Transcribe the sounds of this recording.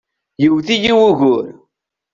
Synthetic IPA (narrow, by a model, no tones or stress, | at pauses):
jəwθijiwuʝʊɾ